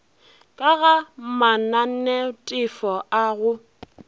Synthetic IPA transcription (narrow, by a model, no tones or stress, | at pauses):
kʼaɣamanan̩nɛtʼɪfɔaɣʊ